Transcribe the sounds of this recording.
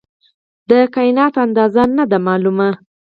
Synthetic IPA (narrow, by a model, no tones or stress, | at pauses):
d̪əkɑjɪnɑt̪and̪ɑzanad̪amɑluma